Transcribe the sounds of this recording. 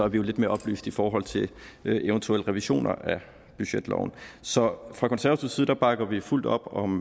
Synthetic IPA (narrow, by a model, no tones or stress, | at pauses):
æɐʋijo̝led̥me̝ɐɒ̽b̥ly̰ːsd̥ifɒːɦɒ̽l̰t͡sʰe̝ʔent͡sʰuel̰əʁɛʋiɕo̝̰ːnɐ̰ʔæ | b̥yɕed̥lɒ̰ʊn̩sɒ̽fʁɑ̈kʰɒnsæɐɐt͡sʰusið̩ˠd̥æ̈b̥ɑ̈ɡ̥ɐʋiful̰d̥ɒ̽b̥ɒ̽m